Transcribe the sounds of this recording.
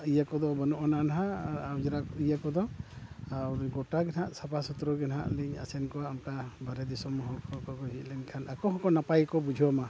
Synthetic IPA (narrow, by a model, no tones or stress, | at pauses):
ijakɔd̪ɔbɔnɔʔɔnanaɦaad͡ʒɛɾakɔijakɔd̪ɔaɾɡɔʈaɡɛnaʔsapasut̪ɾɔɡɛnɦa̰ʔliɲa̰sɛnkɔwaʔamkabaɾɛd̪isɔmɔɦɔkʰɔkɔkɔɦit̪̚lɛɲkʰanʔakɔɦɔkɔnapajkɔbud͡ʒʱɔma